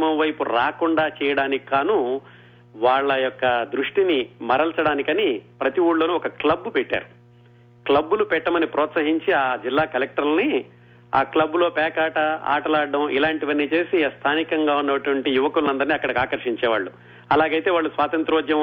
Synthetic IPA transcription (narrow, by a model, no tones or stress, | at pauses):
mɐmʋɐjpuɾaːkuɳɖaːt͡ʃɛːjɐɽaːnikkaːnu | ʋaːɭːɐjɔkːɐd̪ɾuʂʈinimɐɾɐlsɐɽaːnikɐnipɾɐt̪iʋuːɭːoːnuɔkɐklɐbːupɛʈːa̰ːɾu | klɐbːulupɛʈːɐmɐnipɾɔːt̪sɐɦiɲt͡ʃiaːd͡ʒilːaːkɐlek̚ʈɐɾlni | a̰ːklɐbːulo̞ːpɛːkaːʈɐa̰ːʈɐlaːɖːɐmʔilaːɳʈiʋɐnːiːt͡ʃe̞ːsist̪ʰaːnikɐŋɡaːunːɐʈuʋɐɳʈijuʋɐkulunɐnd̪ɐɾniɐkːɐɽɐkaːkɐɾʂiɲt͡ʃɛːʋa̰ːɭːu | ɐlaːɡɐjt̪e̞ːʋaːɭːusʋaːt̪ɐnt̪ɾuːd͡ʒ̪jɐ